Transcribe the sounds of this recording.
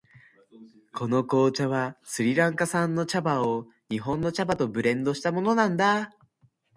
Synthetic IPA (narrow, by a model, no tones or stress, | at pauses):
kʰo̞no̞ko̞ːt͡ɕaβasɨɾʲiɾãŋkasãnːo̞t͡ɕabao | ɲ̟iɦõ̞nːo̞t͡ɕabat̪o̞bɯ̟ɾẽ̞nd̪o̞ɕi̥t̪amo̞no̞nãnd̪a